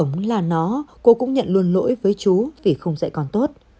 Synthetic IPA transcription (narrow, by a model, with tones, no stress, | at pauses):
wŋ͡mlaː˨˩nɔ˨˦ko˧kʊ̰˧˥ŋ͡mɲə̰˧˨nlu˧ənlo̰˧˥jvəː˨˦jt͡ɕu˨˦vi˨˩xə˧wŋ͡msɛ̰˧˥kɔ˨nt̪o˦˥t̚